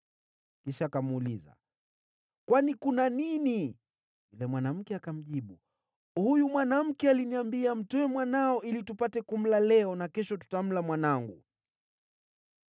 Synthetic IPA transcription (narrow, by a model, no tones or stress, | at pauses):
kiʃaːkamuliza̰ | kwanikunanini | ulɛmwanam̩kɛakam̩ʄiɓu | hujumwanam̩kɛaliniambiam̩tɔɛmwanaɔilitupatɛkum̩lalɛɔnakɛʃɔtu̥tam̩lamwanaŋɡṵ